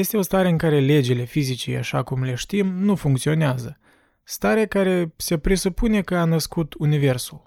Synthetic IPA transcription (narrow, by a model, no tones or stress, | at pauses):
je̞st̪e̞o̞st̪aɾeɨŋkaɾe̞le̞d͡ʒile̞fizit͡ʃḭa̰ʃa̰kumle̞ʃt̪imnufuŋkt̪sio̞neazə | st̪aɾekaɾe̞se̞pɾesupune̞kəanəskut̪unive̞rsul